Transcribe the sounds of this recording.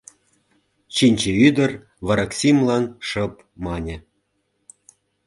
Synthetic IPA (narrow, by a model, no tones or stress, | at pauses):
t͡ɕinʲt͡ɕĕyd̪ə̆r | βɑɾɑksʲimlɑnʃɤ̆p | mɑnʲĕ